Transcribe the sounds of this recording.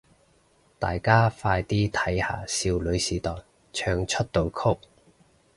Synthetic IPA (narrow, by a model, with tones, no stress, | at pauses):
t̪a̰ː˨jkaː˥faː˧jt̪iː˥t̪ʰɐ˨˥jha̰ː˨˩siː˧wlɵ˨˧ɥsiː˨˥t̪ɔː˨˩j | t͡ʃʰœː˧ŋt͡ʃʰɵ˥t̚t̪o˧wkʰʊ˥k̚